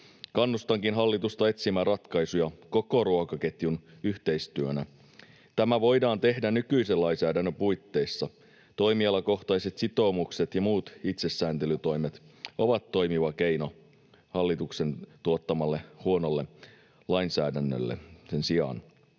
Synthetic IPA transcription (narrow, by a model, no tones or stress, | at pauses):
kɑnːust̪ɑŋkinɦɑlːit̪ust̪ɑe̞t̪simærɑt̪kɑjsujɑko̞ko̞ɾuokɑke̞t̪junyht̪e̞jst̪yønæ | t̪æmæʋo̞jdɑːnt̪e̞hdænykyiselɑjnsæːdænːøpujt̪ːe̞jsːɑ | t̪o̞imiɑlɑko̞xt̪ɑjse̞t̪sit̪o̞ːmukset̪jɑmuːt̪it̪se̞sːæːnt̪elyt̪o̞imet̪o̞ʋɑt̪ːo̞jmiʋɑke̞jno | hɑlːit̪ukse̞nt̪uot̪ːɑmɑlːe̞huono̞lːe | lɑinsæːdænːø̰lːḛsensiɑ̰n